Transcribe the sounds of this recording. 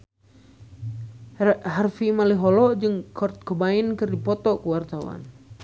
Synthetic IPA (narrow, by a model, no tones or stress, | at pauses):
ɦarfimaliɦɔlɔd͡ʒɨŋkʰɔrt̪̚kəbainkɨrdipɔt̪ɔkəwart̪awa̰n